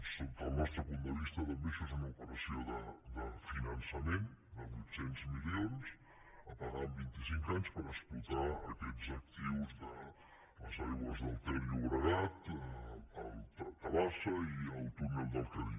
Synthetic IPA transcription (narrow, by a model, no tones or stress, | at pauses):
sont̪alnɔst̪ɾəpund̪əβist̪ɐt̪ambesɛzunaupəɾasjoðəd̪əfinansamend̪ədusɛnt̪smiljons | apaɣambint̪isiŋkaɲspəɾəsplut̪aɐkɛʎsak̚t̪iwzd̪ə | sajβazd̪alˠt̪ɛɾjuɣɾaðat̪ | alt̪at̪aβasɐiawt̪unɛld̪alˠkaɾi